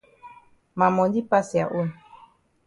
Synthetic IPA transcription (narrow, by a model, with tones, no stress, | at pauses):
ma˨mɔ˨ɲdi˦pa˦si˨a̰˨ʔu˦n